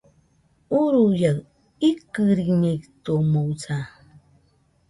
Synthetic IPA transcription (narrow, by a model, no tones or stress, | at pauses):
uɾujaɣ | ikɨɾikɲekt̪omowt͡sa